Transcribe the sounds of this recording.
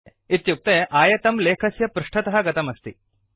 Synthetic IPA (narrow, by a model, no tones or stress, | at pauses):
it̪juk̚t̪eʔaːjɐt̪ɐmleːkʰɐsjɐpɾuʂʈʰɐt̪ɐɦɐɡɐt̪ɐmɐst̪i